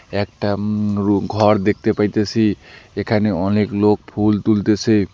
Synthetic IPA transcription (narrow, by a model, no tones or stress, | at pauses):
ek̚ʈauɡʱʌɾd̪ek̚ʰt̪epajt̪esʰiekʰaneɔneklok̚pʰult̪ult̪et͡sʰʌj